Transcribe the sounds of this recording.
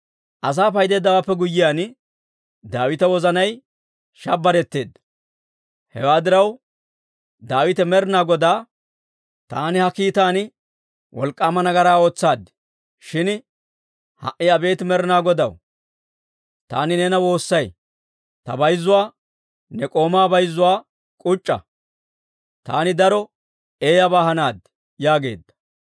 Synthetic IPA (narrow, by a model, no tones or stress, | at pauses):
ʔɐs̬aːpɐjd̪e̞ːd̪ːɐwaːpːɛɡʊjːɪjaːn | d̪aːwɪt̪ɐwɔzɐnɐj | ʃɐbːɐɾɛt̪ːe̞ːd̪ːɐ | hɛ̰waːd̪ɪɾɐw | d̪aːwɪt̪ɛmɛɾnaːɡɔd̪aː | t̪aːnɪhɐkiːt̪aːnɪ | wʔɔ̰lkʼːaːmɐnɐɡɐɾaːo̞ːt͡sːaːd̪ɪ̥ | ʃɪn | hɐ̰ʔɪɐbe̞ːt̪ɪmɛɾɪnaːɡɔd̪ɐw | t̪aːnɪnɛnɐwo̞ːsːɐj | t̪ɐ̰bɐjzːʊwaː | nɛkʼo̞ːmaːbɐjzːʊwaː | kʼʊt͡ʃʼːɐ̰ | t̪a̰ːnɪd̪ɐɾɔ | e̞ːjɐbaːhɐnaːd̪ | jaːɡe̞̰ːd̪ːɐ̥